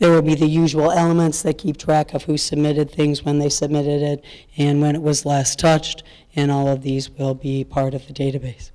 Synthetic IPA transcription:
ðə˞wəlˠbiðɨjʉʒəl̩ˠɛlˠəmɨ̃ntsðɨt̚kʰip̚tʰɹ̥ækʰʌv̥hʉsɨb̚mɪɾɨd̪̚θɪ̃ŋzwə̃nðeɪsɨb̚mɪɾɪɾɪɾ | ɨ̃nwɨ̃ñɨt̚wʌzlɛstʰʌt͡ʃt | ɨ̃nɔlˠʌvðizwɪlˠbipʰɑɹɾʌvðɨdeɪɾɨbeɪs

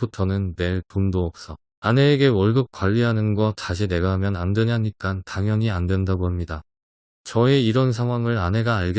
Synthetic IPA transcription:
utʰʌnɯnːe̞ɭtondoʌk̚s͈ʌ | ane̞ːɡe̞wʌɭɡɯk̚k͈waʎːiɦanɯnɡʌt͡ɕaɕʰine̞ɡaɦamjʌnandweɲaɲik͈antaŋjʌɲiandwe̞ndaɡoɦamɲida | t͡ɕʌeiɾʌnsʰaŋɦwaŋɯɾane̞ɡaːɭɡe

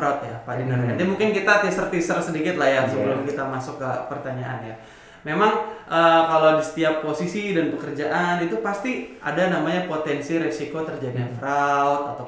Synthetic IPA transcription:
ɾat̪̚japadinankandɛmuŋkɪnkit̪at̪isərt̪isərsədikɪt̪lahjasəbəlʊmkit̪amasʊkːəpərt̪aɲaʔanja | memaŋʔəːkalowdisə̥t̪iapːosisidanpəkərd͡ʒaʔanit̪upast̪ia̰danamaɲapot̪ɛnsiɾesikot̪ərd͡ʒadiɲafɾalt̪at̪a

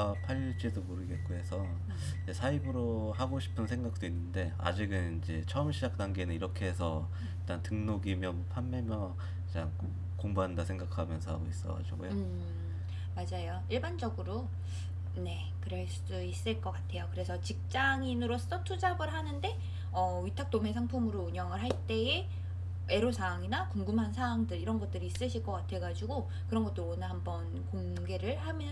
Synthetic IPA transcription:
apʰaɭːd͡ʑ͈idomoɾɯɡet̚k͈oɦe̞sʰʌ | id͡ʑe̞sʰaibɯɾoɦaɡoɕʰi̥pʰɯnsʰe̞ŋɡak̚t͈oinːɯnde̞a̰d͡ʑiɡɯnind͡ʑe̞t͡ɕʰʌʌmɕʰid͡ʑak̚t͈aŋɡenɯniɾʌkʰe̞esʰʌ | iɭt͈antɯŋnoɡimjʌmʌpʰamːemjʌ | t͡ɕan | koŋbandasʰe̞ŋɡakʰamjʌnsʰʌhaɡois͈ʌ̰ɡa̰d͡ʑiɡojo | mad͡ʑajoiɭband͡ʑʌɡɯɾo | ne̞ | kɯɾʌɭs͈uis͈ɯɭk͈ʌk͈atʰe̞jokɯɾe̞sʰʌt͡ɕik̚t͡ɕ͈aŋinɯɾos͈ʌtʰud͡ʑaɡɯɭɦanɯnde̞ | ʌɥitʰak̚t͈ome̞sʰaŋpʰumɯɾouɲʌŋɯɭɦaɭt͈e̞e | e̞ɾosʰaːŋinakuŋɡumɦansʰaaŋdɯɭiɾʌnɡʌt͈ɯɾiːs͈ɯɕʰiɭk͈ʌk͈atʰe̞ɡad͡ʑiɡo | kɯɾʌnɡʌt͈ɯɾonɯhambʌn | koŋ | ɡe̞ɾɯɭhamjʌ

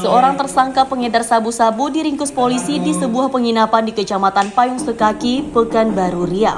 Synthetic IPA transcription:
səoɾaŋt̪ərsaŋkapəŋədarsabusabudiɾiŋkʊspolisidisəbuahpəŋinapandikət͡ʃamat̪anpajʊŋsəkakipəkanbaɾuɾia

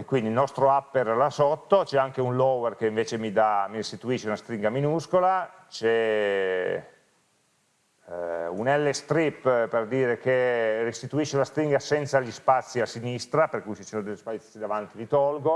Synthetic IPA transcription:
ekːwind̪ilnɔst̪ɾoapːerlasot̪ːot͡ʃɛaŋkeunlɔwerkeiɱveːt͡ʃemid̪amiɾist̪it̪uiːʃeunast̪ɾiŋɡaminuskolat͡ʃɛ | unɛlːest̪ɾipːperd̪iːɾekerist̪it̪uiʃːeunast̪ɾiŋɡasɛnt̪saʎispat̪sːiasinist̪ɾaperkujt͡ʃisoːnod̪eʎːspasid̪avant̪ivit̪ɔlɡo

